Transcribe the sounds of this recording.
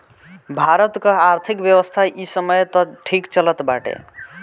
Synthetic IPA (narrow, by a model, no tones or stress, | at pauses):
bʱaɾət̪kəaɾt̪ʰikbjewəst̪ʰaʔisəməjt̪ʌʈʰikt͡ʃələt̪baʈḛ